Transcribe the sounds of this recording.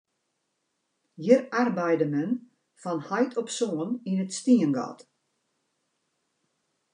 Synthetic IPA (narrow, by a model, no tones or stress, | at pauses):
jərarbɛjdəmɛn | fɔnhajtʰɔpsoəninətstiənɡɔ̰t